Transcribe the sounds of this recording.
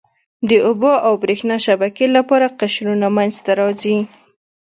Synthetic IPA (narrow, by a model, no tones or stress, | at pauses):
d̪əʔʊboawbɾexnɑʃabakelapɑɾaqaʃɾunamanzt̪aɾɑzi